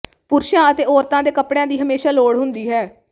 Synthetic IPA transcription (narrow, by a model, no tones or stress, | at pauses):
pʊɾʃjãːət̪eːɔːɾt̪ãːd̪eːkəpɽejãːd̪iːɦəmeːʃaːloːɽɦʊnd̪iːɦɛː